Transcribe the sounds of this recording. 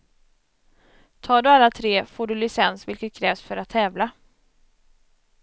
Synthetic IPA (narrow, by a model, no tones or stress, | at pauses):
t̪ʰɑːɖɵalːat̪ʰɾeːfoːɖɵlɪsɛnsvɪlkət̪̚kʰɾɛːvsfœɾat̪ʰːɛːvla